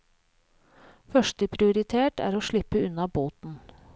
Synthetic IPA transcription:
fœʂʈ̪əpʰɾɪʊɾɪt̪ʰeːʈæ̰ːɾoːʂɭɪpːəʉnːɑboːt̪n̩

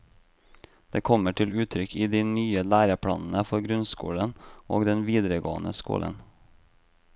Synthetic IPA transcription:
d̪̥eːkʰɔməʈʰɪlʉːt̪ʰɾʏkʰiːd̪iːnyːəlæːɾəpʰɽɑ̰ːnn̩əfɔɾɡɾʉnskṵːlənʔo̰ːɡd̪ɛnʋiːd̪ɾəɡo̰ːənəskṵːlʔə̰n

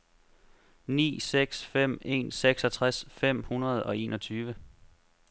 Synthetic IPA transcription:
nḭːseɡ̥sfem̰e̝̰ːnseɡ̥sɒ̽t͡sʰʁasfem̰hunɐð̞ˠɒ̽e̝̰ːnɒ̽t͡sʰyːʋə

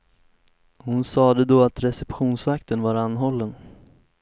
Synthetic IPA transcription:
hʊnsɑːd̪əd̪oːat̪ɾɛsɛpɧuːnsvakt̪ənvaɾanːɦɔlːən

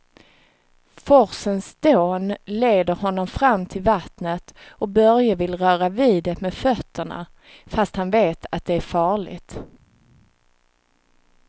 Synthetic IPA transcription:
fɔɾsənsd̪̥oːnleːd̪əɾɦɔnːɔmfɾamːt̪ʰɪlvat̪nət̪ɔk̚bœɾjavɪlɾœːɾaviːd̪ɛmɛd̪fœt̪ʰːəɳa̰ | fast̪hanveːt̪ʰat̪̚d̪ɛæɾfɑːɭɪ̰ɡt̪

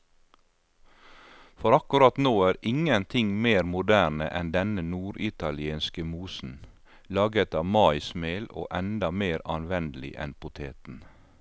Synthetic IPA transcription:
fɔɾɑkʉɾɑt̪noːæːɾɪŋənt̪ʰɪŋmeːɾmʊd̪æːnə̰ʔɛnd̪ɛnənuːɾʔɪt̪ɑlɪeːnskəmuːsn̩ | lɑːɡət̪ɑːmɑɪsmeːlo̰ːʔɛnd̪ɑmeːɾɑnʋɛnd̪əlɪ̰ʔɛ̰npʰʊt̪ʰeːt̪n̩

